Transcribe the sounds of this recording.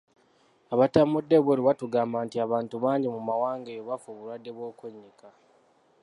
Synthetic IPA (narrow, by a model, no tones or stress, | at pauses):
aβatamudːeβweluwatuɡaːmbantiaβaːntuβaːɲɟimumawaːŋɡejoβafoβuɾwadːe̞βwo̞ːkweɲːika